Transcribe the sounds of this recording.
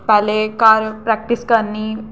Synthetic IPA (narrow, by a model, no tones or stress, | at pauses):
pɛlekaɾpɾɛk̚ʈiskəɾnːi